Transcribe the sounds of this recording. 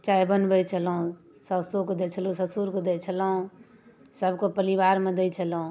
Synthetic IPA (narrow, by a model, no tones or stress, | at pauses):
t͡ʃaibənbət͡ʃʰəlɦũ | səsokod̪et͡ʃʰəlũsəsuɾkod̪ɛt͡ʃʰəlɦũ | səbkopəɾibaɾmed̪ɛjt͡ʃʰəlɦũ